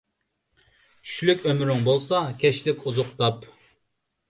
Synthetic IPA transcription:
t͡ʃʰy̥ʃlykʲømɾyŋbolˠsɑkʲʰɛʃlɪkʲʰuzʊqt̪ɑp

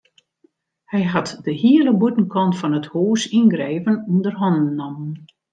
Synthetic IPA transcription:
hɛjɦatdəhiələbutən̩kʰɔntfɔnəthoːsinɡreːvənundərɦɔndən̩ːɔmən

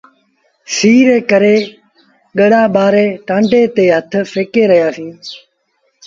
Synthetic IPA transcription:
siːɾeːkəɾeː | ɠəɽaːɓaːɾeːʈãːɳɖeːt̪eːɦət̪ʰfeːkeːɾəɦjaːsĩː

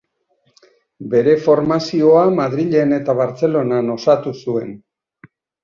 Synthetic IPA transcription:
be̞ɾe̞fo̞ɾmasio̞amaðɾiʎe̞ne̞t̪aβ̞aɾt͡se̞lo̞nano̞sat̪usue̞̰n

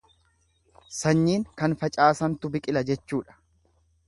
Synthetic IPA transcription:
sɐɲːiːŋkɐnfɐt͡ʃʼaːsɐnt̪ʊbɪkʼɪlɐd͡ʒɛt͡ʃːuːᶑɐ̥

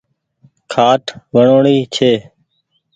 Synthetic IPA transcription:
kʰaːʈʰʋəɳoːɳiːt͡ʃʰeː

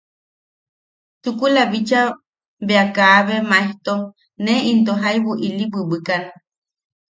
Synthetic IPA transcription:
t͡ʃukulaβit͡ʃa | beakaːβemaeht̪o | neint̪̬oɦajβuʔilibɨbɨkan

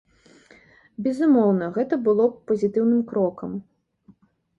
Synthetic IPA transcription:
bʲɛzumɔwnɐɣɛt̪ɐbɨlˠɔpɐzʲit̪ɨwnɨmkɾɔkɐm

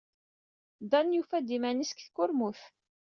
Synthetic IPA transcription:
d̪ɑnjufæd̪imæniskθkːʊɾmuθ

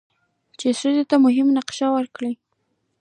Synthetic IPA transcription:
t͡ʃesuzet̪amʊɦɪmnaqʃawəɾkɽi

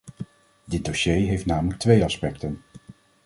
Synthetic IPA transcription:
dɪd̚doʃejɦejftnaːmələk̚tʋejɑspɛktən

